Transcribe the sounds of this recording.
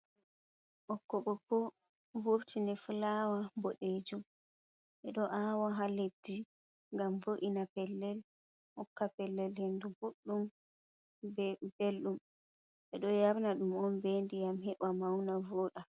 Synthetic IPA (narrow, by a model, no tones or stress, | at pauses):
ʔɔkːɔɓɔkɔ | woɾtinɛfulawaboɗeːd͡ʒum | ʔɛɗɔʔawaɦaledi | ŋɡamvoʔinapɛlːɛl | hɔkːapɛlːɛlhenduɡuɗːum | belɗum | ɓɛɗɔjaɾnaɗumɔnbendijamhɛɓamawnavoːɗa